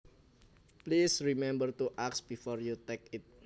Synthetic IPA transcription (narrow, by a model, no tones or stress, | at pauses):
plisɹimɛ̃mbərt̪uʔaksb̥ifɔrjut̪ɛkɪt̪̚